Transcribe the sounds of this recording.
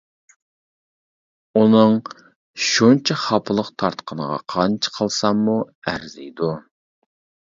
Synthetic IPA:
unɨŋ | ʃunt͡ʃʰɛχɑpʰəlˠəqt̪ʰɑɾt̪qʰənəʁɑ̰qʰɑnt͡ʃʰə̥qʰəlˠsɑmːu | æɾzɪ̰jd̪u

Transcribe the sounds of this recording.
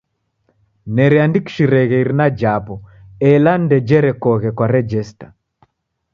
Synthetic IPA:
nɛɾɛandiki̥ʃiɾɛɣɛiɾinad͡ʒapɔɛlan̩dɛd͡ʒɛɾɛkɔɣɛkwaɾɛd͡ʒɛstḁ

